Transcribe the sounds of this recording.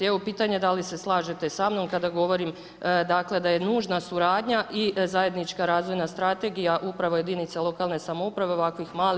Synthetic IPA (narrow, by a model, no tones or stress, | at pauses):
eʋopiːt̪aɲe̞d̪alise̞slˠaːʒe̞t̪e̞samno̞mkad̪aɡo̞ʋo̞ɾim | d̪akle̞d̪aje̞nuːʒnasuɾaːd̪ɲaʔizaje̞d̪nit͡ʃkaɾaːzʋo̞jnast̪ɾat̪e̞ɡijaʔupɾaʋoje̞d̪init̪selˠo̞kaːlˠne̞samoupɾaʋe̞oʋakʋixmaːl